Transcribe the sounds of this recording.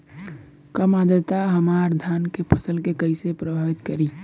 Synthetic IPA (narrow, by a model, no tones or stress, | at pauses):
kɐmaːd̪ət̪aɦɐmaːɾd̪ʱaːnkepʰəsəlkekəisepɾɐbʱaːʋɪt̪kɐɾiː